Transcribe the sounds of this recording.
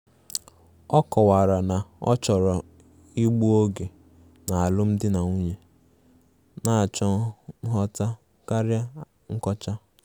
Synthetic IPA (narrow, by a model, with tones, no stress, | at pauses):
ɔ˦kɔ˨wa˨ɾa˨na˨ɔ̰˦t͡ʃɔ˨ɾɔ˨ | i˦ɡ͡bu˦o˦ɡe˨ | na˨a˨lʊ˦m̩˦dɪ˦na˨ŋu˦ɲe˨ | na˨a˨t͡ʃɔ˦ɦɔ˦ta˦ | ka˦ɾja˦ | ŋ̩˦kɔ˦t͡ʃa˦